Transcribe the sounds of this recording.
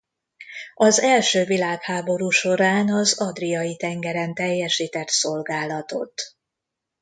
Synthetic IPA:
ɒzɛlʃøːvilaːkhaːbo̞ɾuːʃo̞ɾaːnɒzɒd̪rijɒjit̪ɛŋɡɛɾɛnt̪ɛjːɛʃiːt̪ɛt̪so̞lɡaːlɒt̪o̞̰t̪

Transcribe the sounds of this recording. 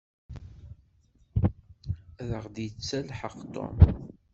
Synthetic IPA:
æðəʁd̪jət͡sːælħəqt̪o̰m

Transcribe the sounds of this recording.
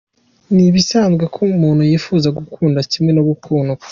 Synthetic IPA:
niβisaːnzɡekʰoumuːnhujiːfuːzaɡukʰuːndacimŋe̞noβukʰuːno

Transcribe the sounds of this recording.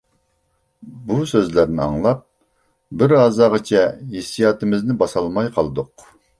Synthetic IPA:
busøzlæɾnɪɑ̰ŋlˠɑp̚ | bɪɾɑːzɑːʁɑt͡ʃʰɛɦesijɑːt̪ɨmɪznɪbɑsɑlˠmɑjqʰɑlˠɨd̪ʊq

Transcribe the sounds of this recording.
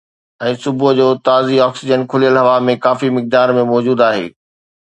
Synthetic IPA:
ɛ̃ːsʊbʊd͡ʑoːt̪aːziɔːksɪd͡ʑənkʰʊlijəlɦɐʋamẽkaːfimɪk̚d̪aːɾmẽmɔːd͡ʑuːd̪aːɦḛː

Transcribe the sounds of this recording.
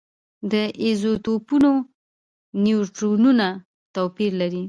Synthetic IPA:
d̪əʔezot̪opuno | njuʈɾonuna | t̪opiɾlaɾi

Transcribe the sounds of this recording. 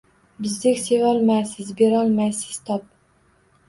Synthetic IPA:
bɪzd̪ɪkʲsevɒlˠmajsɪzbe̞ɾɒlˠmajsɪ̥z̥t̪ʰɒp̚

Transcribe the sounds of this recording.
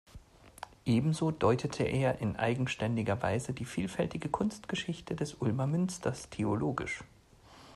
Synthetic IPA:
ʔeːbm̩zoːdɔʏtʰətʰəʔeːɐʔɪnʔa̰ɪɡŋ̩ʃtɛndɪɡɐva̰ɪzədiːfiːlfɛltɪɡəkʰʊnstɡ̥əʃɪçtʰədɛsʔʊlmɐmʏnstʰɐstʰeoloːɡɪ̰ʃ

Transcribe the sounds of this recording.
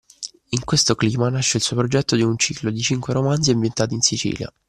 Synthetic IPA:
iŋkwest̪okliːmanaʃːeilsuːopɾod͡ʒɛt̪ːod̪iunt͡ʃiːklod̪it͡ʃiŋkweɾomanziambjent̪aːt̪iːnsit͡ʃḭːlja̰

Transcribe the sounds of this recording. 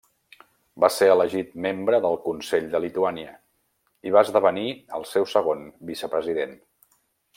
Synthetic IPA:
baseələʒit̪membɾəðəlˠkunseʎd̪əlit̪uaniə | iβaəzðəβəniəlˠsɛwsəɣ̞onbisəpɾəziðen

